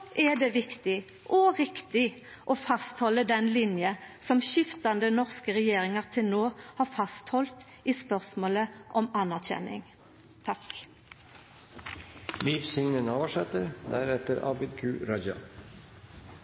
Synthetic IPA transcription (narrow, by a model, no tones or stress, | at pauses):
ʔɛd̪eːʋɪkt̪ɪ | ʔɔʁɪkt̪ɪ | ʔoːfɑst̪hɔləd̪ɛnlɪnjəsɔmʃɪft̪ɑnd̪ənɔʁskəʁɛjeːʁɪŋəʁt̪ʰɪlnoːhɑːʁfɑst̪hɔlt̪ | iːspœʁsmoːləʔɔmɑnæʁçɛ̰nɪ̰ŋ | t̪ʰɑk | liːʋsʏŋnənoːʋəʂɛt̪əɾd̪æɾɛt̪əɾɑ̰bɪd̪kʰʉːɾɑd͡ʒɑ̰